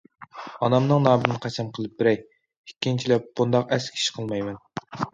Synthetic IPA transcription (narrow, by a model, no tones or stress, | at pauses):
ɑnɑmnɨŋnɑːmɨnnqʰæt͡ʃʰɛmqʰəlˠɨp̚bɪɾɛj | ikʲːint͡ʃʰilɛp̚b̥und̪ɑqɛskʲʰi̥ʃqʰəlˠmɑjmɛn